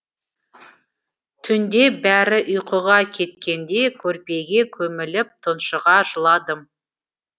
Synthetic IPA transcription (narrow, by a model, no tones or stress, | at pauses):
t̪ʰʏnd̪e̞bæɾɪʔʊjqʰəʁɑkʲʰe̞t̪̚kʲe̞nd̪e̞kʲʰɵɾpe̞ɡʲe̞kʲʰɵmɪlɪp̚t̪ʰənʃəʁɑʒəlˠɑd̪əm